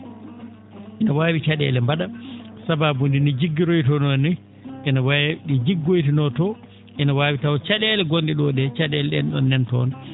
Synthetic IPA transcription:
ʔinawaːwit͡ʃaɗɛ̰ːlɛmbaɗasababundinid͡ʒiɡːiɾojtɔnɔni | ʔinawaɗid͡ʒiɡːojtinɔtɔ | ʔɛnawaːwitawɔt͡ʃaɗɛlɛɡondiɗɔɗɛt͡ʃaɗɛlɛɗɛ̰nɗɔ̰nːɛntɔ̰ːn

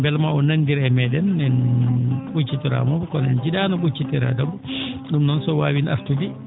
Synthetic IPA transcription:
bɛlmaɔnanːdiɾɛmɛɗɛnːɛn | ɓut͡ʃːitɔɾa̰mɔbɔkɔnɛ̰nd͡ʒiɗanɔɓut͡ʃːitɛɾa̰dɔbɔɗumnɔnsɔwaːwinʔa̰ftudi

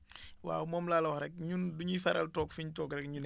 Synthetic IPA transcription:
wa̰ːwmɔːmlaːlɐwɔxɾɛk̚ɲunduɲufɛɾɐltɔːkfiɲtɔːɡɾɛkɲun

